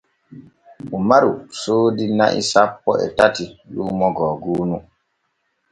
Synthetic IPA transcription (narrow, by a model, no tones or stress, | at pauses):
umaɾusoːdina̰ʔḭsapːɔɛ̰tatiluːmɔɡɔːɡuːnu